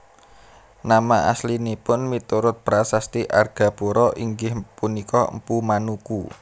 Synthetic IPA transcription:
namaʔa̰slinipʊnmit̪uɾʊt̪̚b̥əɾasast̪iʔarɡ̥ä̤b̥uɾɔʔiŋɡɪhpunikɔ̰mpumanuku

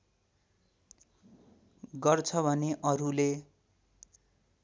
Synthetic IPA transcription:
ɡʌrt͡sʰʌbʱʌneʔʌɾule

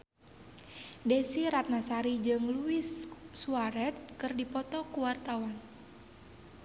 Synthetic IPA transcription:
dɛsiɾat̪̚nasaɾid͡ʒɨŋluisːuaɾɛt̪̚kɨrdipɔt̪ɔkuwart̪awan

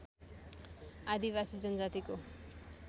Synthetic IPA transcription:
ad̪iβasid͡zʌnd͡zat̪iko

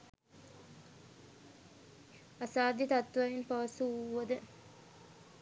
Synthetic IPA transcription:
asaːd̪it̪at̪ːʋɐʋinpaʋɐsuuːɐd̪ə

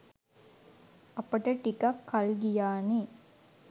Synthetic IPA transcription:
ɐpəʈəʈikakʰːalɡijaːne

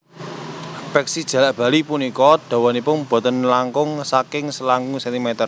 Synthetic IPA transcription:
pɛksid̥ʒ̥ä̤laʔb̥ä̤lipunikɔd̥ɔ̤wɔnipʊnb̥ɔ̤t̪ənlaŋkʊŋsakɪŋsəlaŋusɛnt̪imɛt̪ər

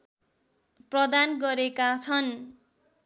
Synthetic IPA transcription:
prʌd̪anɡʌɾekat͡sʰʌn

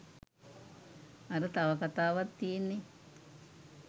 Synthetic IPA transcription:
aɾət̪aʋɐkat̪aːʋat̪ːijenːe

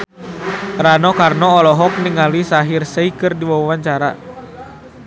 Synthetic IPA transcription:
ɾanɔkarnɔːlɔɦɔk̚niŋalisaɦirsəikɨrdiwawawaɲt͡ʃaɾa̰

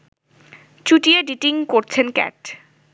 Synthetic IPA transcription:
t͡ɕuʈieɖiʈiŋkoɾt͡ɕʰenkɛ̰ʈ

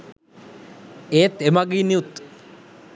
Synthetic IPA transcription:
eːt̪emaɡiːniut̪

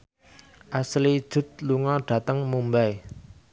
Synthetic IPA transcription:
ʔaslid̥ʒ̥ʊ̤t̪̚luŋɔɖ̥ä̤t̪əŋmumbaj

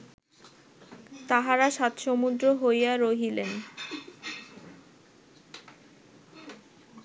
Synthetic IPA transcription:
t̪aɦaɾaʃat̪ʃomud̪ɾoɦojjaɾoɦilen

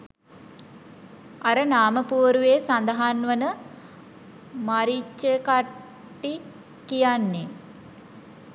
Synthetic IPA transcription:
aɾənaːməpuːɾuʋeːsand̪əɦanʋənə | maɾit͡ʃːəka | ʈːi | kijanːe

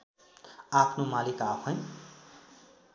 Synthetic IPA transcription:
apʰnomalikapʰʌj̃

